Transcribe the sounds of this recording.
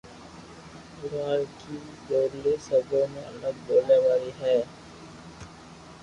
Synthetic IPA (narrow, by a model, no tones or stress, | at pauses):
ʊɾaːlkid͡ʒoːɾlesəbõmẽɐləɡ̚boːleʋaːɾiɦɛː